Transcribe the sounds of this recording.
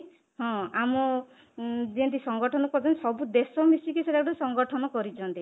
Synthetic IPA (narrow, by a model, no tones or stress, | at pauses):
ɦɔ̃amɔ | d͡ʒient̪isɔŋɡɔʈʰɔnɔkɔɾd͡ʒʰɔnisɔbud̪esɔmisikiseʈakɽɔsɔŋɡɔʈʰɔnɔkɔɾit͡ʃʰɔnt̪i